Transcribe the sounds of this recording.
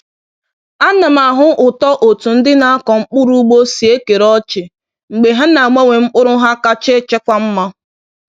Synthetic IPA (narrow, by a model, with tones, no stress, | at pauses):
a˦na˨ma˨ɦʊ˦ʔʊ˨tɔ˦ʔo˨tu˨n̩˦dɪ˦na˨a˦kɔ˨ŋ͡m̩˦k͡pʊ˦ɾu˦ɡ͡bo˦si˨e˦ke˨ɾɔ˦t͡ʃɪ˨ | ŋ͡m̩˨ɡ͡be˨ɦa˦na˨mʷe˦ŋʷe˨ŋ͡m̩˦k͡pʊ˦ɾʊ˦ɦa˦ka˦t͡ʃe˦t͡ʃe˦kʷa˦m̩˦ma˦